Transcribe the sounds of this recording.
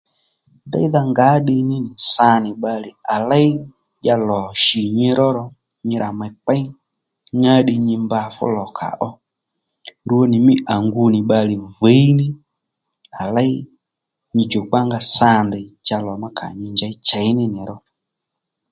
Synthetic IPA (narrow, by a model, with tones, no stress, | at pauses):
nda̰˦i˦ða˧ŋɡa˨˦ɗɪ˧nɪ˦nɪ˨sa˧˦nɪ˨ɓa˧lɪ˨a˨la˦j | ʄa˧lɔ˨ʃi˨ɲɪ˧ɾɔ˦ɾɔ˧ | ɲɪ˧ɾʔa˨mɛ˧k͡pa˦i˦ | ɲa˦ɗɪ˧ɲɪ˧mba˧fʊ̰˦lɔ˨kʰa̰˨ʔɔ˦ | ɾu˧o˧nɪ˨mɪ˦ʔa˨ŋɡu˧nɪ˨ɓa˧lɪ˨ve˨˦i˦nɪ˦ | a˨la˦i˦ | ɲi˧d͡ʒo˨k͡pa˦ŋɡa˧sa˧ndɛ˨t͡ʃa˧lɔ˨ma˦kʰa̰˨ɲi˧ɲd͡ʒa˨˦i˦t͡ʃa˨jnɪ˦nɪ˨ɾɔ˦